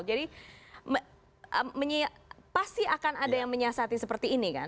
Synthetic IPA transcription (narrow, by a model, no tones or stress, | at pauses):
d͡ʒadimə | ʔəmːəɲiapast̪iakanadajaŋməɲasat̪isəpərt̪iːnika̰